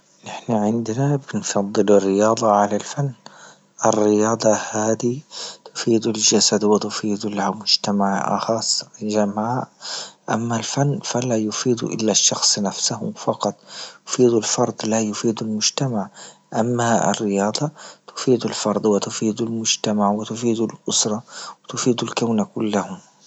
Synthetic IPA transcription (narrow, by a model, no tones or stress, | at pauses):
nɪħnaʕɪnd̪nabɪnfɑd̪ˤːɨlɪrːɪjɑːd̪ˤɑʕalalfanː | ʔɪrːɪjɑːd̪ˤɑhaːd̪it̪ʊ̥fiːd̪ʊld͡ʒasad̪wɪt̪ʊfiːd̪ulamʊd͡ʒt̪amaʕʔɑ̰xɑsˤɪd͡ʒamʕaʔʔa̰mːalfanːfalajʊfiːd̪ṵʔɪ̰lːaʃːɑxsˤnafsahʊmfɑqɑt̪ˤjʊ̥fiːd̪ulfɑɾˤd̪ˤlajʊfiːd̪almʊd͡ʒt̪amaʕʔamːaɪ̰rːɪjɑːd̪ˤɑt̪ʊ̥fiːd̪alfɑɾˤd̪ˤwɪt̪ʊfiːd̪almʊd͡ʒt̪amaʕwɪt̪ʊfiːd̪ulʔʊsɾˤɑwɪt̪ʊfiːd̪ulkawnakʊlːahʊm